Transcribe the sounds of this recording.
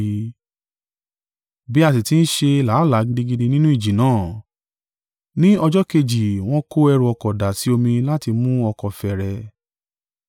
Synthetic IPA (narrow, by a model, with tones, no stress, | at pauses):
bi˦a˧s̬i˨ti˦n̩˦ʃe˧la˨˦˨la˨˦ɡi˧dĩ˦ɡi˦˧di˧nĩ˦nũ˦i˦˨d͡ʒi˨nãː˦˨ | nĩ˦ɔ˧d͡ʒɔ˦ke˧d͡ʒi˨w̃ɔ̃˦ko˦ɛ˧ɾũ˧ɔ˧kɔ˨da˨si˨˦o˧mĩ˧la˦ti˧mũ˦ɔ˧kɔ˨fɛ˨ɾɛ˧